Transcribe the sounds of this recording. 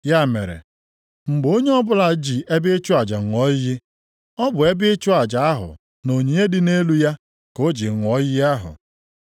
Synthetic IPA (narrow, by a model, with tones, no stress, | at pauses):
ja˦˨mḛ˨ɾḛ˨ | ŋ͡m̩˨ɡ͡bo˦ɲe˦ɔ˦bʊ˦la˨d͡ʒi˨e˦bɪ˦t͡ʃʊ˦a˨d͡ʒa˨ɔ˦jɪ˦jɪ˦ | ɔ˦bʊ˨e˦bɪ˦t͡ʃʊ˦a˨d͡ʒa˨a˦ɦʊ̰˨ | no˨ɲi˨ɲe˦dɪ˦ne˦lu˦ja˦ | ko˦d͡ʒi˨ŋʷɔ˦jɪ˦ja˦ɦʊ̰˨